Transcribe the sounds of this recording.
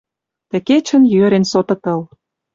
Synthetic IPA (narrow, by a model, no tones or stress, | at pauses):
t̪ə̆ket͡ɕə̆njøɾensot̪ɤ̆t̪ɤ̆l